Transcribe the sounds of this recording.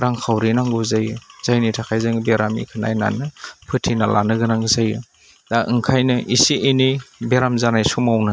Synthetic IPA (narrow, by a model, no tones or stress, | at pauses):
ɾaŋkʰawɾinaŋɡɯzajɯz̥ajnitʰakʰajzɯŋbeɾamḭkʰɯna̰jna̰nɯpʰɯtʰinalʔa̰nɯɡɯnaŋɡzajɯ | daʔɯŋkʰajnɯʔisiʔinibeɾamzanajsumawnɯ